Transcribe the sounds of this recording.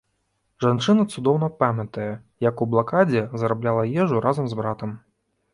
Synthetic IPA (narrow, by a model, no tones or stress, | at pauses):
ʐant͡ʂɨnɐt̪sud̪ɔwnɐpamʲɐt̪ɐjɛ | jɐkublˠakad͡zʲɛzɐɾablʲalˠɐjɛʐuɾazɐmzbɾat̪ɐm